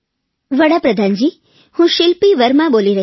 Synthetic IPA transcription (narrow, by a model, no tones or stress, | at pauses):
ʋəɽapɾəd̪ʱand͡ʒi | hũʃɪlpiʋəɾmãboliɾə